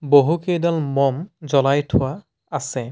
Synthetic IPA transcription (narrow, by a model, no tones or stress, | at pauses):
boɦukejdalmɔmzɔlajtʰʊwa | asɛ